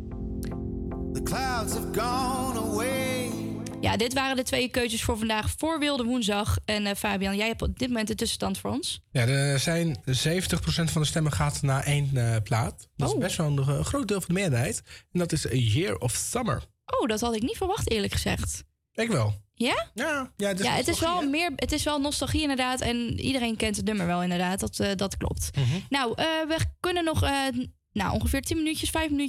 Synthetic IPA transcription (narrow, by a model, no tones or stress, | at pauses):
ðəkʰlaʊdz̥əvɡɔnəweɪ | ja̰dɪtʋaːrəndətʋejəkøɥtəsfʊːɹvɑndaːχfʊːɹʋɪlˠdəʋunzdɑχɛnfaːbijɑnjɛjɦɛpɔp̚dɪtmomɛntdəntʏsəstɑntfʊːɹɔnsjaːdəzɛjnzejvəntəχprosɛntfɑndəstɛməχaːtnaːʔejnəplaːtdɑtɪsbɛstʋɛlˠənəχrowt̚dɪːlˠvɑndəmɪːdəɹɦɛjtɛndɑtɪsəjɪɹɔfsʌmə̰ɹ | ʔowdɔthɑdɪknitfəɹʋɑχtɪːɹləkχəz̥ɛ̰χt | ɛkʋɛlˠjajajatɪjaətɪsʋɛlˠmɪːɹətɪsʋɛlˠnɔstɑlˠχiɪndəɹdaːtɛnḭdəɾejnkɛntətnɵməɹʋɛlˠɪndəɹdaːt̚dɔtdɑtklɔ̰p̚tnawʔəʋəkønənːɔχə | nawʔɔ̰nχəfɪːɹtinmənyəsfɛjfməny